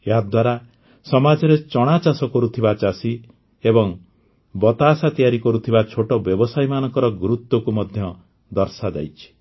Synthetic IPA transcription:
ead̪waɾa | sɔmad͡ʒɔɾet͡ʃɔɽ̃at͡ʃasɔkɔɾut̪ʰibat͡ʃasi | ebɔŋ | bɔt̪asat̪ijaɾikɔɾut̪ʰibat͡ʃʰoʈɔbjɔbɔsajmanɔŋkɔɾɔɡɾut̪ːɔkumɔd̪ʱjɔ | d̪ɔɾsad͡ʒa̰jt͡ʃʰi̥

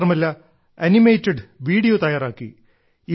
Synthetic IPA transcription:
rɐmɐlːɐ | ɐnimeːtːeɖʋiːɽijoːt̪ɐjaːɾaːkːḭ | i

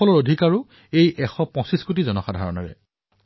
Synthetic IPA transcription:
ɔlɔɹodʱikaɹʊ | ejʔɛxɔpɔ̃siskot̬izɔnɔxadʱaɹɔ̰nɔ̰ɹɛ̰

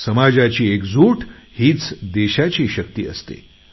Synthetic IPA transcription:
səmad͡ʑat͡ɕiːekd͡zuʈhiːt͡sd̪eɕat͡ɕiːɕək̚t̪ḭːə̰st̪ḛ

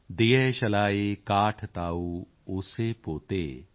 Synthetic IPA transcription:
d̪ijeʃɐlaːekaːʈʰt̪aːuː | uːsepoːt̪ḛː

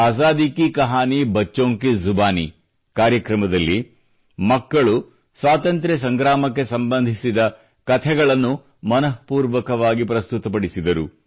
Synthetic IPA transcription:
aːsaːd̪ikikɐɦaːnibɐt͡ʃːoːŋkizubaːni | kaːɾjɐkɾɐmɐd̪ɐlːi | mɐkːɐɭu | sʋaːt̪ɐnt̪ɾes̬ɐŋɡɾaːmɐkːe̞sɐmbɐnd̪ʱisid̪ɐ | kɐt̪ʰɛɡɐɭɐnːu | mɐnɐɦpuːɾʋɐkɐʋaːɡipɾɐst̪ut̪ɐpɐɽisid̪ɐɾṵ

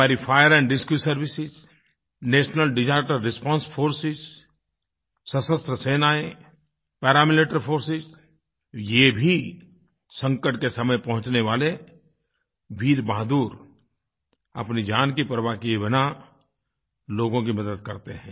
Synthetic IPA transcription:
aːɾifʰaːjəɾɛ̃ɳɖɪskjusɐɾʋɪsɪz | neːʃnəlɖɪd͡ʒaːkʈəɾːɪspãːnsfʰoːɾsɪz | sɐsəst̪ɾəseːnaːe | pɛːɾaːmɪleːʈəɾfʰoːɾsɪz | jebʱi | sɐ̃ŋkəʈ̚kesɐməjpɐɦʊ̃t͡ʃneʋaːle | ʋiːɾbaːd̪uːɾ | ɐ̰pnid͡ʒaːnkipɾəʋakibɪna | loːɡõk̬imɐd̪əd̪̚kɐɾt̪eɦɛ̃ː

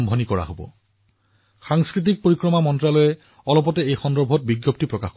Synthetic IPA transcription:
mbʱonikɔɹa̰ɦobɔ̰ | xaŋskɹit̬ik̚poɹikɹɔmamɔntɹalojɛ | ɔlɔp̬ɔtɛejxɔndɔɹbʱɔt̚biɡjop̚tipɹɔkaxk

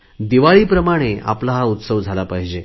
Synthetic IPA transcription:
d̪iʋaɭiːpɾəmaɽ̃ea̰plaɦaut̪səʋd͡zʱalapaɦid͡ʑe

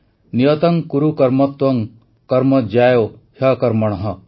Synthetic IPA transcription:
niɐt̪ɐŋkuɾukɐɾmɐt̪ʋɐŋ | kɐɾmɐd͡ʒajo | hɐkɐɾmɐɽ̃ɐɦɐ

